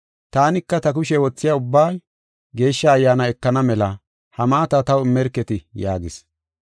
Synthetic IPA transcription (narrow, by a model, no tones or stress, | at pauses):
t̪aːnɪkːɐt̪ɐk̬ʊʃɛwɔt͡sːɪjaʊbːaː | ɡe̞ːʃːɐːjːaːnɐɛkːɐnɐmɛlɐ | hɐmaːt̪ɐt̪ɐwɪmːɛɾkːɛt̪ɪjaːɡɪs